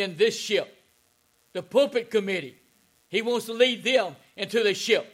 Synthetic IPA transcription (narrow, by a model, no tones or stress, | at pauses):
ɪ̃nðɪsʃɪp̚ | ðɨpʰoʊpɨt̚kʰɨmɪɾḭ | iwõʊ̃nstlid̪̚ðɨ̃m | ɪ̃ntʉðɨʃɪp̚